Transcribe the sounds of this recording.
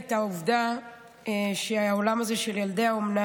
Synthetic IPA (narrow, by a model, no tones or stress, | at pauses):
t̪auvd̪a | ʃeaaolamaze̞ʃeljald̪e̞aomna